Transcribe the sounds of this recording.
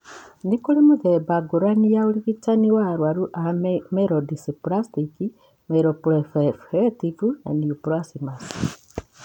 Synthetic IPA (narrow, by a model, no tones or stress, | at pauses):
nikulemuðebaɡuɾanijaoliβit͡ʃaniwaɾwaɾuʔameɾodisipuɾastiki | meɾopɾefefetivuna̰niupuɾasimasi̥